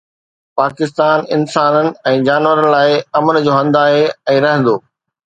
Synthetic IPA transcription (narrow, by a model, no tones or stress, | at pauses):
paːkɪst̪aːnɪnsaːnənɪ̆ɛ̃ːd͡ʑaːnʋəɾənɪ̆laːɪɐmənd͡ʑoːɦɐ̃nd̪aːɦeɛ̃ːɾɐɦə̃nd̪oː